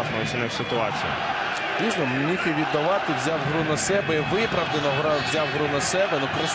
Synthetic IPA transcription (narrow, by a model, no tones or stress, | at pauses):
znɔɦɔt͡ʃɪnɛwʲsʲɪt̪ʊɑ̰t͡sʲijɐ̰ | pʲiʒnɔmnʲixiʋʲid̪ːɐʋɑt̪ɪwzʲawɦɾunɐsɛbɛiʋɪpɾɐʋd̪enɔɦɾɑʋzʲawɦɾunɐsɛbɛnukɾɐs